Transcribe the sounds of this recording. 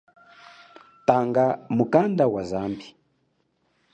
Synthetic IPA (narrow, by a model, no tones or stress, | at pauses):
taŋɡamukandawazambi